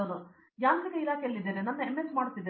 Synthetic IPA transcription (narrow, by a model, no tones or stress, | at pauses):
od̪u | jaːd̪ɾikeilaːkʰɛjɐlːid̪ːeːɾenɐnːɐemːesmaːɽut̪ːid̪ːe